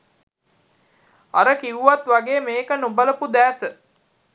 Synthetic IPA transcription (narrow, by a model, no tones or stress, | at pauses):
a̰ɾəkiʋuʋat̪ʋaɡeːmeːkənubələpud̪æːsə